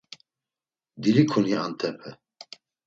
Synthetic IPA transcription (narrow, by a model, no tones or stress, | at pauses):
d̪iɾikʰuniant̪ʰɛpʰɛ